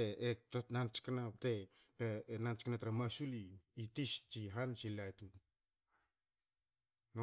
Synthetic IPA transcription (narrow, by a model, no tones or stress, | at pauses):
eetonant͡ʃkanaptepenant͡ʃknatɾamasuliːtist͡ʃiɦansilajtu | no